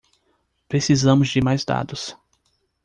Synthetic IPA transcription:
pɾesizɐ̃mʊzd͡ʒɪmajzd̪a̰d̪ʊs

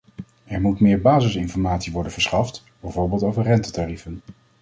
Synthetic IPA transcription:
ɛɹmutmɪːɹbaːzəsɪnfɔɹmaːtsiʋɔɹdənv̥əɹsχɑft | b̥ɛjvoːɹbɪːlˠtowvəɹrɛntətarifən

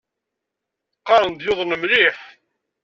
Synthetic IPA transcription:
qːɑɾˤənd̪joðˤnəmliħ

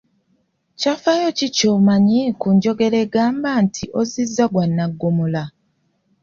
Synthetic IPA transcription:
cafaːjocicoːmaɲikuɲɟo̞ɡe̞ɾeɡaːmbantʰiʔo̞zizːaɡwanːaɡːomula

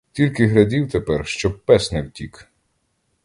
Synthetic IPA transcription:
tʲilʲkɪɦɾɐdʲiwt̪epɛrʃt͡ʃɔpɛsnɪwtʲik

